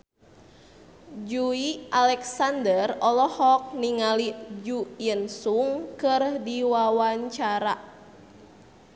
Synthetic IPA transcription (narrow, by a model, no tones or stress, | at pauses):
d͡ʒuiʔalɛksandərɔlɔhɔk̚niŋalid͡ʒujənsuŋkərdiwawaɲt͡ʃaɾa